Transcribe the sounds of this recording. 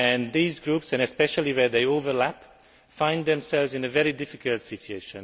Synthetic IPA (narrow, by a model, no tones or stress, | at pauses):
ɨ̃nðiːzɡɹupsɨ̃nɨspɛʃəlˠiwɛ˞ðeɪoʊvə˞læp | fãɪ̃nðɛ̃msɛlˠvzɨ̃nəvɛɹidɪfɪkəlˠtsɪt͡ʃueɪʃə̃n